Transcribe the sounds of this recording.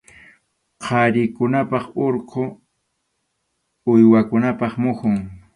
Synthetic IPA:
qʰɑɾɪkʊnapɑχoɾqʰo | ʊjwakʊnapɑχmʊxʊŋ

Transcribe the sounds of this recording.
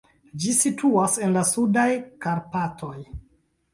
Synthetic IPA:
d͡ʒisitʰuase̞nlasudajkaɾpatʰo̞j

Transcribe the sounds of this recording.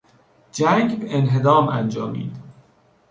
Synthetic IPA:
d͡ʒæŋɡbeenɦed̪ɒːmænd͡ʒɒːmḭːd̪̥

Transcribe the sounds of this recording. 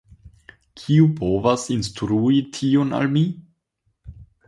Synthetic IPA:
kʰiupo̞vasinstɾuitʰiona̰lmi

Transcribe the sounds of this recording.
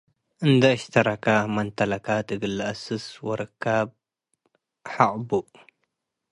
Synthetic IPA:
ʔɨnd̪ɐʃt̪ʰɐɾakamɐnt̪ʰɐlɐkat̪ʰɨɡɨlːɨɐsɨswɐɾɨkʰːab̚ | ħaʔbuʔ

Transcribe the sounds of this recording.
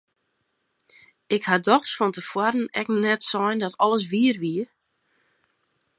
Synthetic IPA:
ɪkhadɔxsfɔntəfwaɾən̩ɛknɛtsɔjndɔtʰɔləs̬ʋiərʋiə

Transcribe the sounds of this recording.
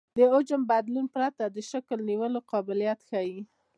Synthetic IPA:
d̪əʊd͡ʒəmbad̪lunpɾat̪ad̪əʃakəlniwəloqɑbɪljat̪xawi

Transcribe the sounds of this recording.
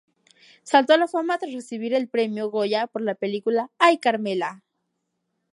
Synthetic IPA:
salt̪olafamat̪ɾaresiβiɾelpɾemjoɣojapoɾlapelikulaːjkaɾmela

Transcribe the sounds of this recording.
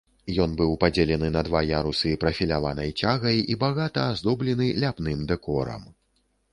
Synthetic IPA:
jɔnbɨwpad͡zʲelʲɛnɨnɐd̪vajaɾusɨpɾɐfʲilʲavanɐjt͡sʲaɣɐjibaɣat̪ɐːzd̪ɔblʲɛnɨlʲapnɨmd̪ɛkɔɾɐ̰m

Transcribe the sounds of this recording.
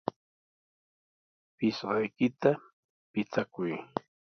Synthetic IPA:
pɪsɢɑjkɪt̪a | pɪt͡sakʊj

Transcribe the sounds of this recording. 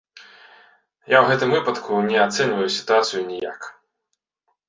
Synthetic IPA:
jawɣɛt̪ɨmvɨpɐt̪kʰunʲɛat̪sɛnʲvɐjusʲi̥t̪uat̪sɨjunʲija̰k

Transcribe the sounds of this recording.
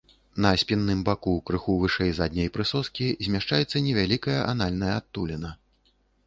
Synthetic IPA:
nɐsʲpʲinːɨmbakukɾɨxuvɨʂɛjzad̪ʲnʲɐjpɾɨsɔskʲizʲmʲaʂt͡ʂajɛt̪sːɐnʲɛvʲalʲikɐjɐʔanalʲnɐjɐat̪ːulʲɛnɐ

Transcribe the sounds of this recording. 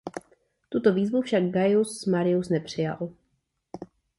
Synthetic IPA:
t̪ut̪o̞viːzvufʃaɡ̚ɡajusmaɾɪjusnɛpr̝̥ɪja̰l

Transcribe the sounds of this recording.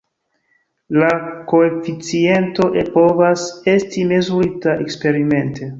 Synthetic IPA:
lako̞efit͡sie̞nto̞ʔepo̞vase̞stime̞zuɾitae̞kspe̞ɾime̞nte̞

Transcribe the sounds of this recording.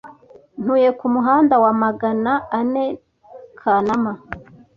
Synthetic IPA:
n̥huje̞kumuɦaːndawamaɡanaane | kʰanama

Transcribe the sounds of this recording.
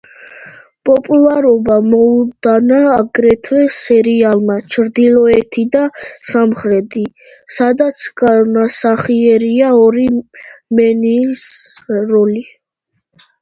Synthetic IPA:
pʼɔpʼulˠaɾɔbamɔud̪̥anaːɡɾɛt̪ʰwɛsɛɾialˠmat͡ʃʰɾd̪ilˠɔɛt̪ʰid̪asamχɾɛt̪ʼi | sad̪at̪sʰɡanasaχiɛɾiaɔɾimɛniːsɾɔli

